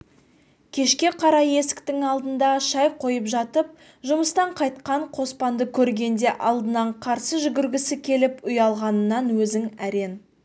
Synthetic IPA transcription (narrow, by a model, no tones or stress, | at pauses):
kʲʰe̞ʃkʲe̞qʰɑɾɑje̞sɪ̥kt̪ɪŋɑlˠd̪ənd̪ɑʃɑj̚qʰo̞jəpʒɑt̪əp̚ | ʒʊməst̪ɑɴqʰɑjt̪̚qɑɴqʰo̞spɑnd̪əkʲʰɵɾɡʲe̞nd̪e̞ʔɑlˠd̪ənɑɴqʰɑɾsəʒʏɡʲɪɾɡʲɪsɪkʲʰe̞lɪpʊjɑlˠʁɑnənːɑnwɵzɪŋæɾe̞n